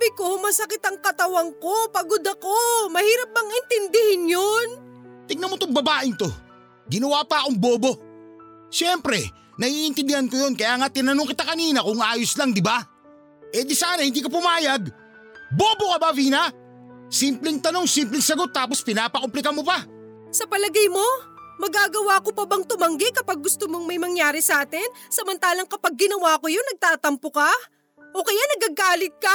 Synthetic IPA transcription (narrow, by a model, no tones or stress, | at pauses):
bɪkomɐsɐkɪt̪ɐŋkɐt̪ɐwɐŋko̞pɐɡod̪ɐkomɐhiːɾɐp̚bɐŋɪnt̪ɪnd̪ɪhɪnjont̪ɪɡ̚nɐmot̪oŋbɐbaːʔɪnt̪o̞̰ | ɡɪnɐwaːpaːkoŋbo̞ːbo̞ | ʃɛmpɾɛ | nɐhiʔɪnt̪ɪnd̪ɪhankojo̞nkɐjaːŋat̪ɪnɐnoŋkɪt̪akɐniːnɐkʊŋʔaːjoslaŋd̪ɪba | ʔɛd̪ɪsaːnɐhɪnd̪iːkop̬ʊmaːjɐɡ | boːbokɐbaviːnɐ | simplɪŋt̪ɐno̞ŋsimp̬lɪŋsɐɡo̞t̪ːaːpo̞spɪnaːpɐkomplɪkɐmopa | sɐpɐlɐɡajmo̞ | mɐɡaːɡɐwakopɐbɐŋt̪ʊmɐŋɡɪkɐpaɡ̚ːʊst̪omoŋmɐjmɐŋjaːɾɪsɐʔaːt̪ɪnsɐmɐnt̪aːlɐŋkɐpaɡ̚ːɪnɐwaːkojonnɐɡ̚t̪aːt̪ɐmpoka | ʔokɐjanɐɡaɡaːlɪt̪̚ka